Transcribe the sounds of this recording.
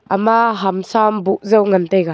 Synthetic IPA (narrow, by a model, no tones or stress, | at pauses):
ʔamaɦamsambuʔzawŋɐnt̪ɛjka